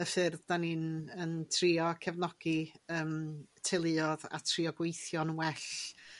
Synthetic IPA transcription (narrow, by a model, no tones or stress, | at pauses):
əfɪrðdaninəntʰriːɔkʰɛvnɔɡ̥iəːmtʰejlˠɨɔða̰tʰriɔɡwejθjɔnwɛɬ